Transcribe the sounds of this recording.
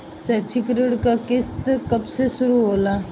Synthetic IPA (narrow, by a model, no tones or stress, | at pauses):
sɛːt͡ʃʰikɾɪɽkakɪst̪kɐbsesʊɾuɦoːlaː